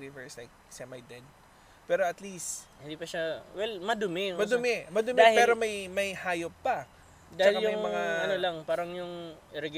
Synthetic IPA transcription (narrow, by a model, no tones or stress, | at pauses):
ivɛɹslajk̚sɛmɐjd̪ɛd̪̚ | pɛːɾo̞ɐt̪list̪hɪnd̪iːpɐʃawɛlmɐd̪ʊmɪmɐd̪ʊmɛmɐd̪ʊmɛapɛːɾo̞mɐjmɐjhaːjopːɐ | dd̪aɐhɪɐjʊɐjŋmmɐŋaɐnolɐŋpaːɾɐŋjʊŋʔɪɾɛɡ